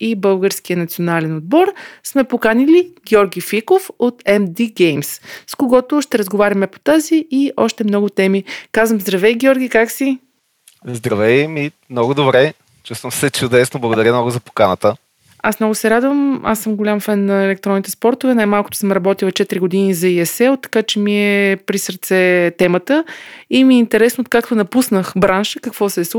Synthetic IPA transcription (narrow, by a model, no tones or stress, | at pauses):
ibɤlˠɡəɾskijənɐt̪sionalɛnod̪̚bɔɾsmɛpokaniliɡʲjɔɾɡʲifikofot̪ɛmd̪iɡɛjmsskoɡɔt̪ʊʃt̪ɛɾɐzɡovaɾʲɐmɛpo̥t̪aziiʔɔʃt̪ɛmnɔɡʊt̪ɛmikazvəmzd̪ɾɐvɛjɡʲiɔɾɡʲikaksi | zd̪ɾɐvɛjmimnɔɡʊd̪obɾɛ | t͡ʃust̪vəmsɛt͡ʃʊd̪ɛsnoblˠəɡʊd̪ɐɾʲəmnɔɡʊzɐpo̥kanət̪ə | asmnɔɡʊsɛɾad̪vəma̰sːəmɡolʲamfɛnːɐɛlɛkt̪ɾɔnit̪ɛspɔɾt̪ovɛnajmalˠkʊt̪ʊ̥səmɾɐbɔt̪ilˠɐt͡ʃɛt̪ɾʲiɡʊd̪inizɐiɛsɛlˠt̪ɐ̥kat͡ʃɛmiɛpɾisəɾt̪sɛt̪ɛmət̪əimiɛint̪ɛɾɛsnoːt̪̚kak̚t̪onɐpusnəxbɾanʃəkɐkvɔsɛs